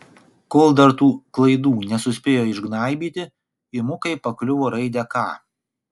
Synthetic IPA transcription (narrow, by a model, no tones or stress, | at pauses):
koːlˠd̪ɐɾt̪uːklˠɐɪd̪uːnʲɛsʊsʲpʲeːjoːɪʒɡnɑˑɪbʲiːt̪ʲɪ | ɪmʊkɐɪpɐklʲʊʋoːɾɐɪd̪ʲɛkɑ̰ː